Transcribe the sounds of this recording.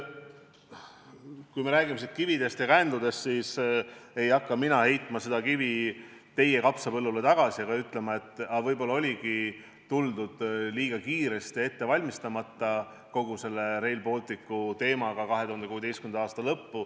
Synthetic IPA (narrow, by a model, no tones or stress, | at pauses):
kujmeɾæːɡ̥imesit̪kivid̪e̞st̪jɑkænd̪lud̪e̞st̪siːse̞jɑkːɑminɑhe̞jt̪ːˑmɑse̞d̪̥ɑkivi | t̪e̞je̞kɑpsɑpɤlːulet̪ɑɡ̥ɑsiɑɡ̥ɑyt̪lemɑe̞t̪ːɑvɤjbo̞lːɑo̞lʲiɡi | t̪uld̪ud̪̥liːɡ̥ɑkiːɾe̞st̪ie̞t̪ːe̞vɑlʲmist̪ɑmɑt̪ːˑɑ | ko̞ɡ̥use̞lːe̞ɾe̞jlpo̞ːlt̪ˑikːˑut̪e̞ːmɑɡ̥ɑkɑɦe̞t̪uhɑnuːe̞d̪estkymend̪ɑɑːst̪ɑlɤpːu